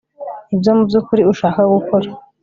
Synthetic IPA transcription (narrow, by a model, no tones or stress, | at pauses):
ibjomubjukuɾiuʃaːkaɡukoɾa